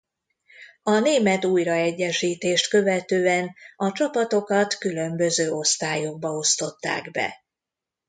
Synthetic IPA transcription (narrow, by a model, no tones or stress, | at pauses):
ɒneːmɛt̪uːjrɒɛɟːɛʃiːt̪eːʃt̪kø̞vɛt̪øːɛnɒt͡ʃɒpɒt̪o̞kɒt̪kylø̞mbø̞zøːo̞st̪aːjo̞ɡ̚bɒo̞st̪o̞t̪ːa̰ːɡbɛ̰